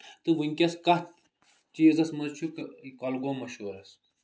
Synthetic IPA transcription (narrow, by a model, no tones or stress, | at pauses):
t̪ɨʋɨŋʲkʲɐskɐh | t͡ʃiːzɐsmɐzt͡ʃʰukkɐlɡomɐʃoːɾɐs